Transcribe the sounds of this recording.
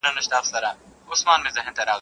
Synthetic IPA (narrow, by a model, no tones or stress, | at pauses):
nɐnɐʃt̪aːfsɐɾaːʊsmaːnmẽzɐɦmt̪ɐɾaː